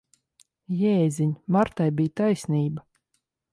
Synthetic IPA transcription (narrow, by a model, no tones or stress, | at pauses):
jɛːziɲmaɾt̪ajbijt̪ajsniːba